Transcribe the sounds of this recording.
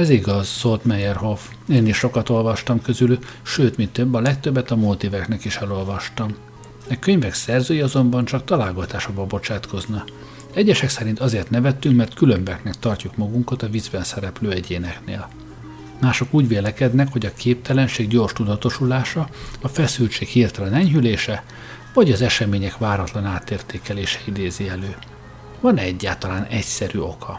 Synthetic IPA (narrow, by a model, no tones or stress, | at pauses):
ɛziɡɒzːolt̪mɛjɛrɦo̞f | eːniʃʃo̞kɒt̪o̞lvɒʃt̪ɒmkø̞zylyʃøːt̪mint̪øbːɒlɛk̚t̪øbːɛt̪ɒmuːlt̪iːvɛknɛkiʃɛlo̞lvɒʃt̪ɒm | ɛkøɲvɛksɛrzøːjiɒzo̞mbɒnt͡ʃɒk̚t̪ɒlaːlɡɒt̪aːʃoɡbɒbo̞t͡ʃaːt̪kʰo̞znɒ | ɛɟːɛʃɛksɛɾint̪ɒzeːrt̪nɛvɛt̪ːyŋkmɛrt̪kylø̞mbɛknɛk̚t̪ɒrcukmɒɡuŋkɒt̪ɒvizbɛnsɛɾɛpløːɛɟeːnɛknḛːl | maːʃo̞kuːɟʋeːlɛkɛd̪nɛkho̞ɟɒkeːp̚t̪ɛlɛnʃeːɡɟo̞ːrʃt̪ud̪ɒt̪o̞ʃulaːʃɒɒfɛsylt͡ʃeːkhiːrt̪ɛlɛnɛɲɦyleːʃɛ | vɒɟɒzɛʃɛmeːɲɛkʋaːɾɒt̪lɒnaːt̪eːrt̪eːkɛleːʃɛ̥id̪eːziɛløː | vɒnɛɟːaːlt̪ɒlaːnɛcsɛɾyo̞̰kʰɒ